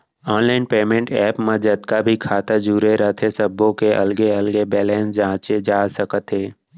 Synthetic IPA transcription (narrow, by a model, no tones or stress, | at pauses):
ɔːnlaːɪnpeːmẽɳʈɛːpmed͡ʒət̪kabʱikʰaːt̪ad͡ʒuːɾeɾət̪ʰesəbːõkeʔɐlɡeɐlɡebɛːlɛ̃ːnsd͡ʒãːt͡ʃed͡ʒaːsəkət̪ɦeː